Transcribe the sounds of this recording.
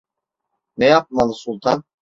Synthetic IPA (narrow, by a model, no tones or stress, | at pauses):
nɛjap̚malˠɯsulˠt̪ʰan